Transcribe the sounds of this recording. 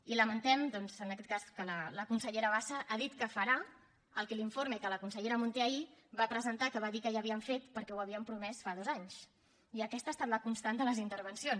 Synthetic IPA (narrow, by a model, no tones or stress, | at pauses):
iləmənt̪ɛmd̪ɔnzənəkɛt̪kaskələləkunsəʎeɾəβ̞asəʔaðit̪kəfəɾa | əlˠkɛliɱfoɾməikələkunsəʎeɾəmunt̪eaiβapɾəzənt̪akəβaðikəʒaəβiəɱfet̪pəɾkɛwəβiəmpɾumɛsfaðɔzaɲs | iəkɛst̪əːst̪at̪ləkunst̪and̪ələzint̪əɾβənsions